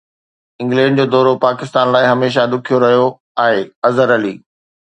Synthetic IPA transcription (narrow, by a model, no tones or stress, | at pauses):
ɪ̃ŋɡlɛ̃ːɖd͡ʑoːd̪ɔːɾopaːkɪst̪aːnlaːɪɦɐmeːʃ̬ad̪ʊkʰijoɾɐɦijo | aːɦeːɐzəɾɐliː